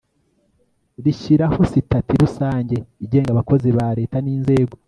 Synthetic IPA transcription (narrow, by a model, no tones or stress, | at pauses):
ɾiʃiɾaho̞sitatiɾusaːɲɟe̞iɟe̞ːŋɡaβako̞ziβaɾe̞ːtaniːnze̞ːɡo̞